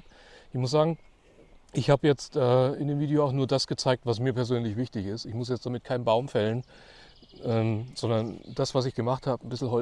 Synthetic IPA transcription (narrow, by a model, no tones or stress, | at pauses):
ʔɪçmʊs̬z̥aːɡŋ̩ | ʔɪçhaːbəjɛt͡stʔɛːɪndeːmviːdeoaʊxnuːɐdasɡ̥ət͡saɪk̚tv̥as̬miːɐpɛɐzøːnlɪçv̥ɪçtɪçɪstɪçmʊsjɛt͡std̥amɪt̚kʰaɪnbaʊmfɛlən | ʔɛːmz̥ɔndɐnd̥asv̥as̬ɪçɡ̥əmaχthaːbən̩bɪsl̩ɦɔ